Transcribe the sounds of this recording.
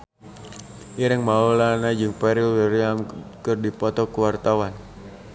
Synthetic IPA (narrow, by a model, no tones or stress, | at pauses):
ʔiɾɪŋmaulanad͡ʒɨŋpɛɾilwiɾiamkɨrdipɔt̪ɔkuwart̪awan